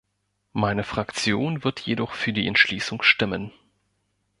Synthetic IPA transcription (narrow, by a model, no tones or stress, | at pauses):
maɪnəfʁ̥akt͡sjoːnvɪɐtʰjedɔχfyːɐdiːɛntʃliːsʊŋʃtɪmən